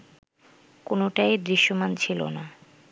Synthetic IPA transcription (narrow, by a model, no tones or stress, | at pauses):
konoʈajd̪ɾiʃːomant͡ɕʰilo̰na